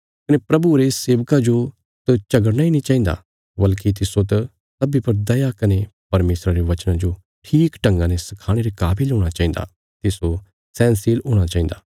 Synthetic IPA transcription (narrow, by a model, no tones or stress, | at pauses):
kɐnepɾɐbuɾeseːʋkad͡ʒo | t̪ɐt͡ʃɐɡəɽnainĩt͡ʃaːĩnd̪a̰ | bɐlkit̪̬ɪsot̪ɐ | sɐbipɐɾd̪ɐjakɐnepɐɾmeːsɾaɾeʋɐt͡ʃnãd͡ʒo | ʈʰiːkʈɐ̃ŋɡãnesɐkʰaːɽ̃eɾekaːbiloːɽ̃at͡ʃaːĩnd̪a̰ː | t̪ɪso | sɛ̃ːnsilɦoːɽ̃at͡ʃaːĩn̆d̪aː